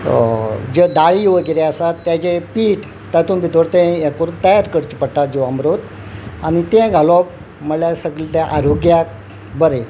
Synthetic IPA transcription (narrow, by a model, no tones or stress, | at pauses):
d͡ʑəd̪aɭijʋəɡeɾeəsat̪ːjat͡ɕepiːʈ | t̪at̪ũːnbit̪ʋəɾt̪ẽjakoɾunt̪əjaɾkəɽt͡ɕipəɽt̪at̪̚d͡zoəmɾot̪ | añit̪ẽɡʱalɔp̚ | m̤əljasəɡɭit̪jaʔaɾoɡja | bəɾe